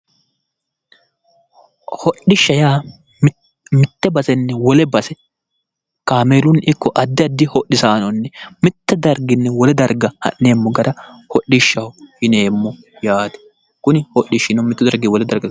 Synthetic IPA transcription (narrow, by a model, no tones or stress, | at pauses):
hɔɗɪʃːɐjaː | mɪt̪ːɛbɐsɛnːɛwɔlɛbɐsɛ | kaːmeːɾʊnɪkːɔʔɐd̪ːɪɐd̪ːɪhɔʔːɪsaːnɔnːɛmɪt̪ːɛd̪ɐɾɡɪnːɛwɔlɛd̪ɐɾɡɐhɐ̰ʔne̞ːmːɔɡɐɾɐhɔʔːɪʃːɐwhɪneːmːɔ | jaːt̪ɛ̥ | kʊnɪhɔʔːɪʃɪnɔmɪt̪ːʊd̪ɐɾɡɪwɔlɛd̪ɐɾɡɐ